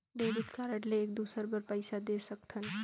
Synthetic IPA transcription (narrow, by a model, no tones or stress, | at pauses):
b̪eɾut̪kaɾəʈleːk̚d̪usəɾbəɾpəɪsad̪esəkt̪ʰən